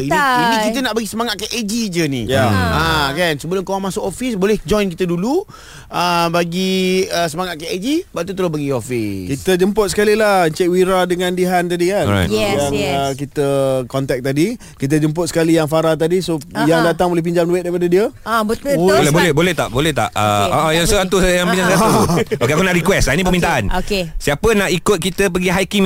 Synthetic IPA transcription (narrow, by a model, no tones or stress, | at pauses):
iianikit̪ənaʔbaɡisəmaŋat̪̚kaʔad͡ʒid͡ʒənijaakansəbəloŋkawaŋmãsʊkofisbolɛhd͡ʒɔjnkit̪ədulu | əbaɡiəsəmaŋat̪̚kaad͡ʒibaʔt̪ut̪̬əlobaɡiofiskit̪əd͡ʒəmpʊt̪̚sə̥kalilahəɲt͡ʃɛk̚wiɾadəŋãndiɦant̪adikan̰janək̬it̪əkɔnt̪ɛk̚t̪adi | kit̪̬əd͡ʒəmp̬ʊt̪sə̥kalijaŋfaɾat̪adisojaŋdat̪aŋbolɛhp̬iɲd͡ʒamduet̪̚daɾipadadiəab̪lbolɛhbolɛht̪a̰ʔbolɛht̪a̰ʔə̰aʔajaŋsəant̪usajaŋiɲd͡ʒaŋatokeakunaʔɾikwɛstainĩp̬əmint̪aanokesiapənaʔikʊt̪̚kit̪əp̬əɡiɦajkiŋ